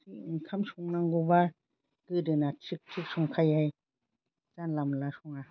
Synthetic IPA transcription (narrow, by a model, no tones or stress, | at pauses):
siŋkʰamsuŋnaŋɡuba | kɯdɯnat͡ʃʰik̚t͡ʃʰik̚suŋkʰajaj | t͡ʃanlamlasuŋa